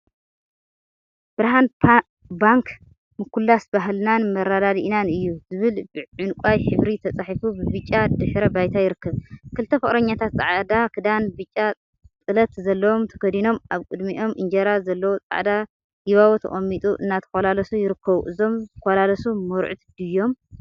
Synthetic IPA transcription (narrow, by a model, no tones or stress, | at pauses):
b̥ɨɾɦan | baŋk | mɨkʰːulːasbaɦlnanmɐɾad̪ad̪iʔnanɨjːuzɨβɨlʕʊnkʷʼajħɨβɾit̪ʰɐt͡sʼaħifubɨbɨt͡ʃʼːad̪ɨħɾɐbajt̪ʰajɪɾɨkːɐβkʰɨlt̪ʰɐfɨχʼɾɐɲːat̪ʰat̪̚t͡sʼaʕd̪akʰɨd̪anbɨt͡ʃʼːa | t͡sʼɨlɐt̪zɐlːɐwo̞mt̪ʰɐ̥ɡɐd̪ino̞mʔaβkʼɨd̪miʔo̞mʔɨnd͡ʒɐɾazɐlːɐwot͡sʼa̰ʕd̪a | jiβawot̪ʰɐ̰χʼɐmːit̪ʼuʔɨ̰nːat̪ʰɐ̥kɐlalɐsujɪɾɨkʰːɐβuʔɨzo̞mt̪ʰɐkolalɐsumoɾʕut̪d̪̥ɨjːo̞m